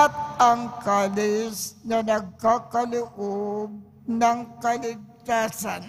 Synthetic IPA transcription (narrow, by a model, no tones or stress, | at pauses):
ɐt̪̚ɐŋkaːlɪsnɐnɐɡ̚kakɐlʊʔob̚ | nɐŋkɐlɪɡ̚t̪aːsan